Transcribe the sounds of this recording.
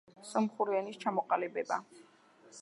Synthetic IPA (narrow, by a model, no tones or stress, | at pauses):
sʼɔmχuɾiɛnist͡ʃʰamɔqʼalɛbɛba